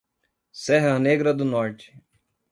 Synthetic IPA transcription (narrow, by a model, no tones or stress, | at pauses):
sɛɦɐneɡɾɐd̪ʊnɔɾt͡ʃɪ̥